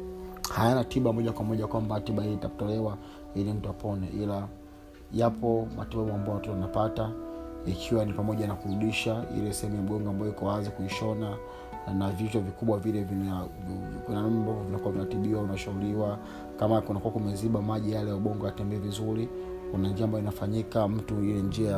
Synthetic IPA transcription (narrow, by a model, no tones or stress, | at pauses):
hajanatiɓamɔʄakwamɔʄakwambatiɓahiliitaku̥tɔlɛwa | ilim̩tuapʰɔnɛ̰ʔila | japɔma̰tiɓaɓuambajɔwatɔtɔwanapataikʰiwanipamɔʄanakuɾuɗiʃaḭlɛsɛhɛmujam̩ɠɔŋɡɔambajɔjikɔwazikuiʃɔna | navit͡ʃɔvikuɓwavilɛvin | kinam̩bɔvinakuwavinatiɓiwaunaʃauliwa | kamakunakuakumɛziɓamaʄijalɛjauɓɔŋɡaatɛmbɛɛvizuɾi | kunand͡ʒiaːmbajɔinafaɲikam̩tuilɛnd͡ʒiaa